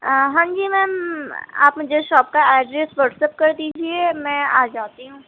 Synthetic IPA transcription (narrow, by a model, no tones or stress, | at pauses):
ɦãːŋd͡ʒiːmɛ̃ː | a̰ːpmʊd͡ʒʱeʃɔːp̚kaaːɖɾesʋəɾʈsep̚kəɾd̪iːd͡ʒiemɛ̃ːaːd͡ʒaːt̪iɦũː